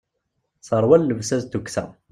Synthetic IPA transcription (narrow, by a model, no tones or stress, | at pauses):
səɾˤwælːəvsæzt̪uksæ̰